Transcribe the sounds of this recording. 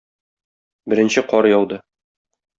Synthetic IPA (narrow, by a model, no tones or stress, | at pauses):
bɘ̆ɾɘ̆nɕɘqɒɾɤjɒwd̪ɤ